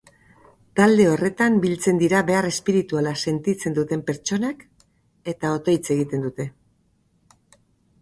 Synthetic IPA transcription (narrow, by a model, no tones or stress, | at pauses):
t̪ald̪e̞o̞re̞t̪ambilt͡se̞nd̪iɾaβe̞are̞spiɾit̪ualase̞nt̪it͡se̞nd̪ut̪e̞mpe̞ɾt͡ʃo̞nak | e̞t̪ao̞t̪o̞jt͡se̞ɣ̞it̪e̞nd̪ut̪e̞